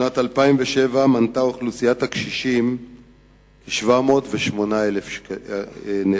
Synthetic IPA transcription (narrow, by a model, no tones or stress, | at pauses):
natalpaimveʃevamantaoχlusijatakʃiʃim | keʃvamo̞ːtveʃmo̞naelef | ne